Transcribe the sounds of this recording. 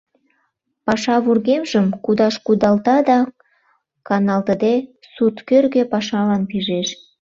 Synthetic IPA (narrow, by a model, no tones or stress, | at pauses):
pɑʃɑβurɣemʒəmkud̪ɑʃkud̪ɑlt̪ɑd̪ɑ | kɑnɑlt̪əd̪e | sut̪kørɣepɑʃɑlɑnpiʒeʃ